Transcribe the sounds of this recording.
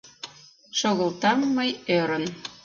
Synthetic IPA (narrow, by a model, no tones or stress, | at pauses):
ʃoɣəlt̪ɑmːəjøɾə̆n